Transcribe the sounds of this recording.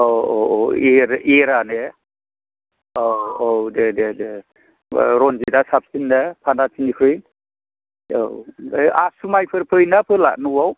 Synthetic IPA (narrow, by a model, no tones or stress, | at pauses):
oooeɾeɾane | oowdededḛ | ɾɔnd͡ʒidasap̚sindapʰanatʰinipʰɯj | o̰easumajpʰɯɾpʰɯjnapʰɯla̰ʔnuwaw